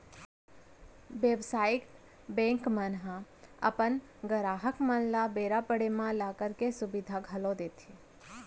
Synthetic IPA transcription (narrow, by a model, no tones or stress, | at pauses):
ʋebsaːɪk | bɛ̃ːŋkmənɦã | ə̰pən | ɡəɾaːɦəkmənlabeːɾapəɽemãlaːkəɾkesʊbɪd̪ʱaɡʱəlod̪eːt̪ʰi